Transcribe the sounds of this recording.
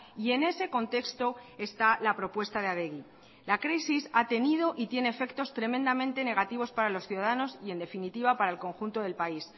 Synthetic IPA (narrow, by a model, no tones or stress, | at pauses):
ie̞ne̞se̞ko̞nt̪e̞kst̪o̞e̞st̪alapɾo̞pwe̞st̪aðeaðe̞ɣi | lakɾisisat̪e̞nið̞o̞ʔit̪je̞ne̞ːfe̞kt̪o̞st̪ɾe̞mẽnd̪amẽ̞nt̪e̞ne̞ɣ̞at̪iβ̞o̞spaɾalo̞sθjuðaðano̞sie̞nd̪e̞finit̪iβ̞apaɾaelko̞ŋxunt̪o̞ð̞e̞lpais